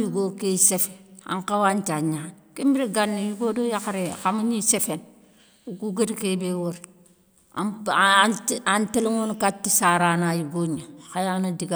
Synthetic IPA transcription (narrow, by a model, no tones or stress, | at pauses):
juɡokesefea̰ŋkawant͡ʃaɲankembiɾeɡanːijuɡodojaxaɾexamaɲisefen | ukuɡadikebewoɾ | a̰ | anteliŋunkatːisaɾanajuɡoɲaxajanadiɡa